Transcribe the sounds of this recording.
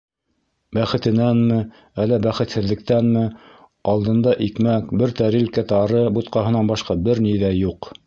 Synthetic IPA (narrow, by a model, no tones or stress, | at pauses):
bæχɘ̆t̪ɘ̆nænmɘ | ælːæbæχɘ̆t̪hɘ̆ðːɘ̆k̚t̪ænmɘ | ɑlˠd̪ɤ̆nd̪ɑʔikmækbɘɾt̪æɾilkæt̪ɑɾɤbut̪̚qɑɦɤ̆nɑnbɑʃqɑbɘɾniðæjuq